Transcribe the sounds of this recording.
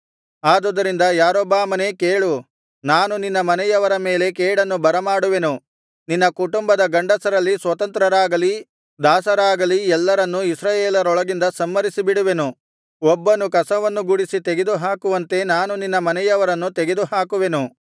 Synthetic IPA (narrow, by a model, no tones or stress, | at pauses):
aːd̪od̪ɐɾind̪ɐjaːɾɔːbaːmɐne̞ːkeːɭu | naːnuninːɐmɐnɛjɐʋɐɾɐme̞ːle̞k̬eːɽɐnːubɐɾɐmaːɽuʋe̞nu | ninːɐkuʈumbɐd̪ɐɡɐɳɖɐsɐɾɐlːisʋɐt̪ɐnt̪ɾɐɾaːɡɐli | d̪aːsɐɾaːɡɐliɛlːɐɾɐnːuisɾɐːjeːlɐɾɔɭɐɡind̪ɐsɐmːɐɾisibiɽuʋenu | ɔbːɐnukɐsɐʋɐnːuɡuɽisit̪eɡed̪uɦaːkuʋɐnt̪e̞naːnuninːɐmɐnɛjɐʋɐɾɐnːut̪eɡe̞d̪uɦaːkuʋe̞nu